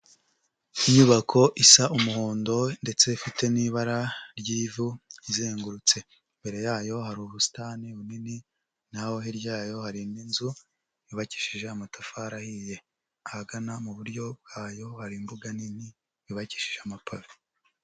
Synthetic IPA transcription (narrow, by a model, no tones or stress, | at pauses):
iɲuβakʰo̞ʔisaumuhoːndo̞nde̞t͡se̞ifite̞niːβaɾaɾɟiːvuizeːŋɡuɾut͡se̞ | mbe̞ɾe̞jaːjo̞ɦaɾuːβusi̥taniβunini | naho̞ɦiɾɟaːjo̞haɾindinzu | βiβaci̥ʃiʒe̞amatafaɾahije̞ | ahaɡanamuβuɾɟo̞b̚ɡ̥aːjo̞haɾimbuɡanini | βiβaci̥ʃi̥ʒeamapʰavi